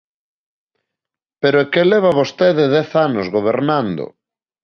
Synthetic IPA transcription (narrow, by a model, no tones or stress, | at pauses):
peɾoekeleβ̞aβost̪eðeðɛθanozɣoβ̞eɾnand̪o̰